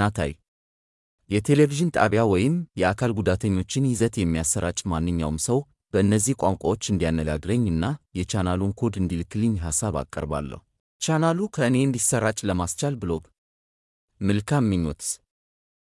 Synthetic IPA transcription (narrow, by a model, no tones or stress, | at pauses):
at̪ʰa̰j | jɛt̪ʰe̞leviʒɨnt̪ʼa̰βjawɔjɪmjɛakʰalɡud̪at̪ʰəɲːo̞t͡ʃːɪnjɪzət̪jɛmːijasːəɾat͡ʃʼmanːɨɲːawmsəw | b̥əɨnːəzːihkʷʼaŋkʷʼawo̞t͡ʃːɨnd̪ijanːəɡa̰ɡɾəɲːɨnːajɛt͡ʃanaluŋkʰo̞d̪ɨnd̪ilɨkʰːɨlɨɲːɦasːaβa̰kʼːə̰ɾba̰lːə̰hu | t͡ʃanalukʰəɨne̞ɨnd̪isəɾat͡ʃʼləmast͡ʃalbɨlo̞ɡ | mɨlkʰamːɨɲːo̰t̪